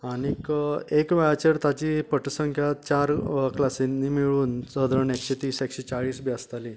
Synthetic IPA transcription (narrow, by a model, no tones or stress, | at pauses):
anikekʋaat͡ɕeɾt̪at͡ɕiːpəʈsəŋkʰjat͡ɕaɾklasinːiːmiɭuːnsəd̪ɾəɳekɕet̪iːsekɕet͡ɕaɭiːsbiast̪ali